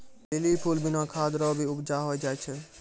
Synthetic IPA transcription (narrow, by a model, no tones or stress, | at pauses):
bɪlipʰulbɪnãːkʰaːd̪ɾɔːbʱiʊbd͡ʒaːɦoːid͡ʒaːjt͡ʃʰə